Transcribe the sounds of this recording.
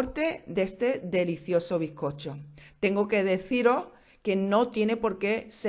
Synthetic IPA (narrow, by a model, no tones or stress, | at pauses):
ɾt̪e̞d̪e̞st̪e̞ðe̞liθjo̞soβ̞ihko̞t͡ʃot̪e̞ŋɡoke̞ðe̞θiɾo̞h | ke̞no̞t̪je̞ne̞po̞ɾke̞se